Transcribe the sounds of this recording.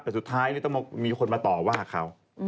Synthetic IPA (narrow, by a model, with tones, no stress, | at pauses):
pe˧nsu˨˩t̪ʰːaː˦˥jlɯː˦˥˩t̪ɔ˥˩m˧miː˧kʰo˧nmaː˧t̪ɔː˨˩waː˥˩kʰa˦˥w